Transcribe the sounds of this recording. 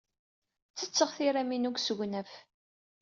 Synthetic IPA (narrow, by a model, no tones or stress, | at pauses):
t͡sːət͡sːəʁθiɾæminuɡsəʝʷnæf